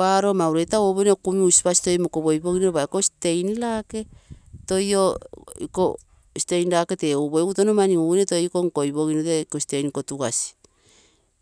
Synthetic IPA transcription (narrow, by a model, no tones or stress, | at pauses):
aɾomawɾetawoβonekumiusi̥pasi̥tojmokoβojβoŋinoɾoβaekosi̥te̞jnilake̞tojoḭko | si̥tejnilake̞teuβoeɡutonomaniunetoikoŋkoiβoŋinoteikosi̥te̞jnikotuɡasi̥